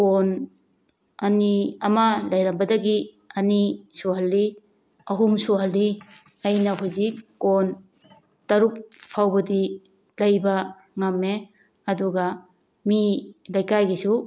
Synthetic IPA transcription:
kon | ɐniɐmɐlɐjɾɐmbɐdɐɡi | ɐnisuɦɐlːi | ɐɦumsuɦɐlːi | ɐjnɐɦuzikːon | tɐɾuk̚pʰawbɐdi | lɐjbɐ | ŋamːe | ɐduɡɐ | milɐjkajɡisu

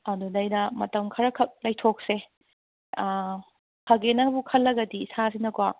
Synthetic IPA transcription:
ɐdudɐjnɐmɐtɐmkʰɐɾɐkʰɐk̚lɐjtʰok̚se | kʰɐɡenɐbukʰɐlːɐɡɐdiːsazinɐkwa

